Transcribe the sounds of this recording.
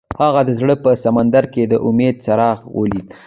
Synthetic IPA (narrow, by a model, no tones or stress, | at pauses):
haɣad̪əzɽəpəsamand̪aɾked̪əʔʊmed̪̚saɾɑɣwʔə̰lik